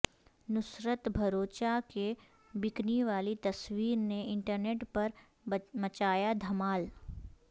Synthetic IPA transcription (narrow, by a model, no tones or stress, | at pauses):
nʊsɾət̪bʱɐɾoːt͡ʃake | bɪkniʋaːlit̪ɐswiːɾneɪ̃ɳʈəɾneːʈpɐɾ | mɐt͡ʃaːjad̪ʱɐmaːl